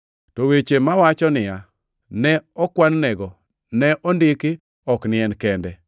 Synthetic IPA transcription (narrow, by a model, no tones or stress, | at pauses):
tɔwet͡ʃemawat͡ʃɔnɪja | nɛɔkwannɛɡɔ | nɛʔɔndɪkɪ | ɔknɪɛnkɛndɛ